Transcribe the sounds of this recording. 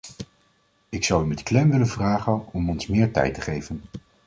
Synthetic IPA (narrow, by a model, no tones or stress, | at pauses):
ɪksɑwymɛtklɛmʋɪlənvraːχənɔmɔnsmɪːɹtɛ̰jtəχejvən